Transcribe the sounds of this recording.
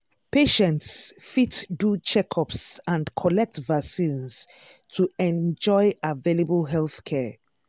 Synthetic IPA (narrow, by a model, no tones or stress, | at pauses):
peʃɛ̃ntsfitdut͡ʃɛkʰɔpsãndkʰɔlɛk̚tvasĩns | tʰuɛ̃nd͡ʒɔɪaveləbəlɦɛlθkʰɛ